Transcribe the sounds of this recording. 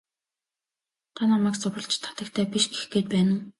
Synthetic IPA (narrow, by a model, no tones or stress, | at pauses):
t̪ʰanamæːkt͡sʊɾə̆ɮt͡ɕt̪ʰːḁt̪ə̆kt̪ʰæːpʲiʃɡexɡeːt̪̚pæːn̆